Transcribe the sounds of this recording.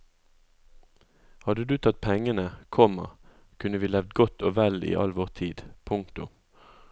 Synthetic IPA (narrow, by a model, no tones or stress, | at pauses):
hɑd̪əd̪ʉːt̪ʰɑt̪̚pʰɛŋənəkʰɔmə̰ʁ | kʰʉnəʋiːlɛʋd̪ɡɔt̪ʰoːʋɛlḭːʔɑ̰lʋoːʁt̪ʰiːd̪pʰʊŋt̪ʊ